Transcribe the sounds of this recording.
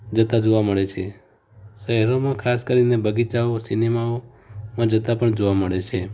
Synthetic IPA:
d͡ʒət̪ad͡ʒoʋaməɭet͡ʃʰe | ʃəɦɛɾomãkʰaskəɾinebəɡit͡ʃaosinemao | mãd͡ʒət̪apəɳd͡ʒoʋaməɭet͡ʃʰe

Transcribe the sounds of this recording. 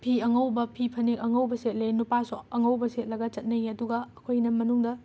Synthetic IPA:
pʰiɐŋɐwbɐpʰipʰɐnekɐŋɐwbɐselenupasoɐŋɐwbɐselɐɡɐt͡ʃɐt̚nɐjɐduɡɐɐkʰojnɐmɐnuŋdɐ

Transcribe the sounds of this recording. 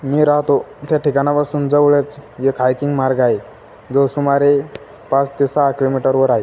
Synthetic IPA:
miːɾaɦt̪ot̪jaʈikanapasuːnd͡zəʋɭet͡sjekʰajkiŋɡmaɾɡae | d͡zosumaɾe | pãt͡st̪esaɦkilomiʈəɾʋəɾaɦe

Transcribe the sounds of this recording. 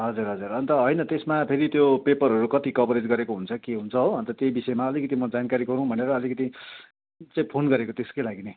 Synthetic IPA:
ɦʌd͡zuɾɦʌd͡zuɾʌnt̪ʌɦʌjnʌt̪esmapʰeɾit̪jopepʌɾɦʌɾukʌt̪ikʌpʌɾed͡zɡʌɾekoɦunt͡sʰʌkeɦunt͡sʰʌɦoʌnt̪ʌt̪jejbisʌemaʌlikʌt̪imʌd͡zankaɾiɡʌɾũbʱʌneɾʌːlikʌt̪i | t͡saĩpʰonɡʌɾekot̪eskojlaɡine

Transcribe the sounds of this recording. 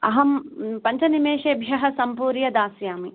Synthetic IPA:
ɐ̰ɦɐmpɐɲt͡ʃɐnimeːʃeːbʱjɐɦɐsɐmpuːɾjɐd̪aːsjaːmi

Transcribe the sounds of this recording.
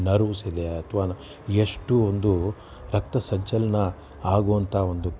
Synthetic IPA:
nɐɾuʋisid̪eɐt̪ʰʋaː | eʂʈuond̪u | ɾɐk̚t̪ɐsɐɲt͡ʃɐlɐnɐ | aːɡuːʋɐnt̪ʰaːond̪u

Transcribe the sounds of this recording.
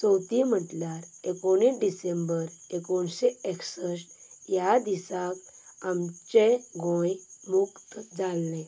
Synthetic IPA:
t͡sɔwt̪im̤əʈljaɾekoneɖisembəɾekonseeksəsʈjad̪isakamt͡ɕeɡʱɔ̃jmukt̪d͡zalːẽ

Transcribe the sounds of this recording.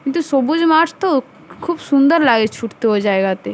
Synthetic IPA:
kɪ̃nt̪usobud͡ʒmaːt͡ʃʰt̪o | kʰuːbsũnd̪əɾlaːɡet͡ʃʰuʈt̪eɦod͡ʒaːeɡat̪e

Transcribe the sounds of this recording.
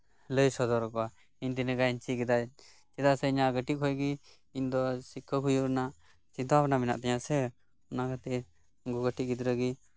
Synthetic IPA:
ləjsɔd̪ɔɾɔkɔa | iɲd̪inəɡaint͡ʃiɡɛd̪a | t͡ʃɛd̪asɛiɲaɡəʈiʔhʰɔjɡi | iɲd̪ɔsikʰːəkujuɾnaʔ | t͡ʃint̪aapnamɛna̰ʔt̪ɛɲasɛ | ɔnakʰat̪ɛ | ɡuɡəʈiʔɡid̪ɾəɡi

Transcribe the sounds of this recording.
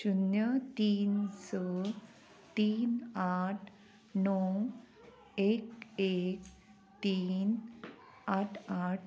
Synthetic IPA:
ɕunjət̪iːnsə | t̪iːnaʈʰ | nɔw | ekek | t̪iːn | aʈʰaʈʰ

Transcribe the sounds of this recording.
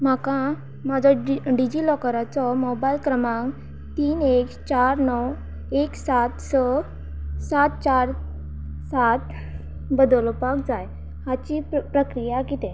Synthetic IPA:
m̤akã | mad͡zʱɔɖid͡ʑilɔkəɾat͡sɔmɔbajlkɾəmãŋ | t̪iːnekt͡ɕaɾnɔw | eksat̪sə | sat̪̚t͡ɕaɾ | sat̪ | bəd̪əlpak̚d͡zaj | hat͡ɕipɾəkɾijakit̪ɛ̃

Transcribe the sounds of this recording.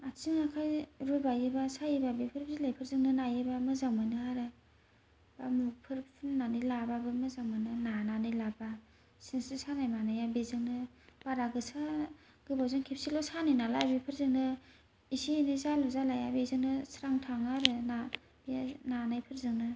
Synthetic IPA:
at͡ʃiŋakʰajɾubajebasajebabipʰɯɾbzilajpʰɯɾzɯŋnɯnajebamɯzaŋmɯnɯaɾɯ | bamupʰɯɾpʰɯnnanilababɯmɯzaŋmɯnɯnananɯjlaba | sinsɯsanajmanajabezɯŋnɯ | b̥aɾaɡɯsa | ɡ̥ɯbawzɯŋkʰep̚silɔsaninalajbipʰɯɾzɯŋnɯ | isinizaluzalajabezɯŋnɯsɾaŋtʰaŋaɾɯna | binanajpʰɯɾzɯŋnɯ

